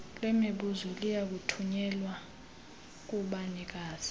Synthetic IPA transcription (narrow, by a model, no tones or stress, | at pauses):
lwɛmeɓuzɔlijak̬utʰuɲɛlwa | k̬ʼuɓanik̬aːz̥i̥